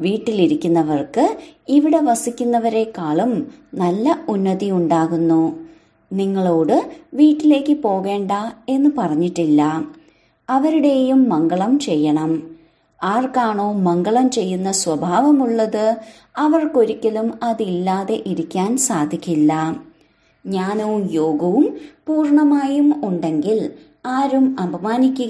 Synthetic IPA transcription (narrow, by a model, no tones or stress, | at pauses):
ʋiːʈːiliɾikʲːunːɐʋɐrkɨiʋiɽe̞ʋɐsikʲːunːɐʋɐɾe̞kaːɭumnɐlːɐunːɐðijuɳɖaːɣunːu | niŋːɐɭo̞ːɽɨʋiːʈːile̞ːkːɨpo̞ːɣe̞ːɳɖɐe̞nːɨpɐrɐɲːiʈːilːɐ | ɐʋɐɾuɽe̞jumːɐŋɡɐɭɐmt͡ɕe̞jːɐɳɐm | aːrkaːɳo̞ːmɐŋɡɐɭɐmt͡ɕe̞jːunːɐswɐbʱaːʋɐmuɭːɐðɨ | ɐʋɐrko̞ɾikʲːɐlumɐðilːaːðe̞ʔiɾikʲːaːnsaːd̪ʱikʲːilːɐ | ɲaːnuʋumjo̞ːɡɐʋumpuːrɳɐmaːjumuɳɖe̞ŋɡil | aːɾumɐbʱɐmaːnikʲːuɣ